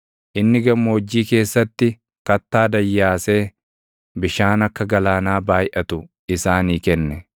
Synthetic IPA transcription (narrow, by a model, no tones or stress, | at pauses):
ʔɪnːɪɡɐmːoːd͡ʒːiːke̞ːsːɐt̪ːɪ | kɐt̪ːaːd̪ɐjːaːse̞ː | bɪʃaːnɐkːɐɡɐlaːnaːbaːjʔɐt̪ʊ | ɪsaːniːkɛnːɛ